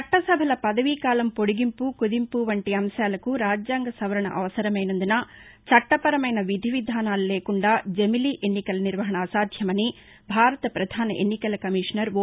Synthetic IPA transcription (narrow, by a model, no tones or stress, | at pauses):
ɐʈːɐsɐbʱɐlɐpɐd̪ɐʋikaːlɐmpo̞ɽuɡimpukud̪impuʋɐɳʈiɐmʃaːlɐkuɾaːd͡ʒjaːŋɡɐsɐʋɐɾɐɳɐ̰ʔɐʋɐsɐɾɐmɐjnɐnd̪unɐ | t͡ʃɐʈːɐpɐɾɐmɐjnɐʋid̪ʱiʋid̪ʱaːnaːlɐleːkuɳɖaːd͡ʒemiliʔenːikɐlɐniɾʋɐɦɐɳɐːsaːd̪ʱjɐmɐni | bʱaːɾɐt̪ɐpɾɐd̪ʱaːnɐʔḛnːikɐlɐkɐmiːʂɐnɐɾʋ